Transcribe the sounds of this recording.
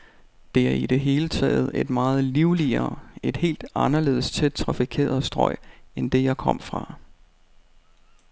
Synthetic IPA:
d̥e̝æɐid̥e̝ɦe̝ːlət͡sʰɛ̰ːð̩ˠe̝d̥mɑ̈ːð̞̩ˠliʊliɐe̝d̥he̝̰ːld̥ɑ̈nɐle̝̰ːð̩ˠst͡sʰed̥̚t͡sʰʁɑ̈fikʰe̝̰ːɐð̩ˠsd̥ʁɒ̽ɪ̰end̥e̝jɑ̈ɪkʰɒ̽m̰fʁɑ̈

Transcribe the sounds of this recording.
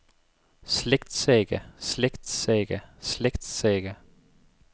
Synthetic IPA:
sleɡ̥d̪̥seːɡ̥əsleɡ̥d̪̥seːɡ̥əsleɡ̥d̪̥seːɡ̥ə

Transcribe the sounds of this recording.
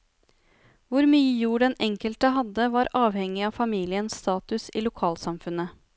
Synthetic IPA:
ʋʊɾmyːəjuːɖɛnʔɛŋkəlt̪əɦɑd̪əʋɑɾɑːʋhɛŋːɪɑːfɑmiːlɪənsst̪ɑːt̪ʉsḭːlʊkʰɑːlsɑmfʉnə

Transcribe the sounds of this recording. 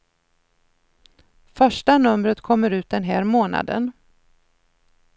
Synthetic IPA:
fœʂʈanɵmɾət̪kʰɔmːəɾʉ̟ːt̪̚d̪ɛnɦæːɾmoːna̰d̪ə̰n

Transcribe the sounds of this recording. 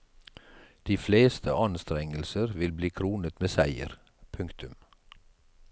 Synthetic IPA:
d̪̥iːfleːst̪ʰə̰ʔɑnst̪ɾɛŋəlsəɾʋɪlbliːkʰɾuːnət̪meːsæɪə̰ɾ | pʰʉŋkt̪ʉm

